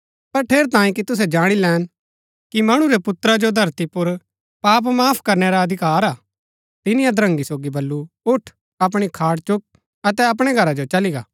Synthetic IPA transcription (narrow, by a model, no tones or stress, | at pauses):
pɐɾʈʰeːɾt̪ãːĩkit̪ʊs̬ɛd͡ʒaːɽ̃ilɛːn | kimɐɽ̃uɾɛpʊt̪ɾad͡ʒod̪ʱɐɾt̪ipʊɾ | paːp̬maːpʰkɐɾneɾaɐd̪ʱɪkaːɾaː | t̪ɪnijãd̪ɾɐ̃ŋɡisoːɡibɐlːu | ʊʈʰ | ɐp̬ɽ̃ikʰaːɽt͡ʃʊk̚ | ɐt̪ɛɐp̬ɽ̃eɡʱɐɾad͡ʒot͡ʃɐliɡa̰ː